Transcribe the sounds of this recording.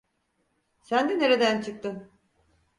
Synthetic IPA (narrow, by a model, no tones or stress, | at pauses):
sænd̪ene̞ɾed̪ænt͡ʃʰɯk̚t̪ɯn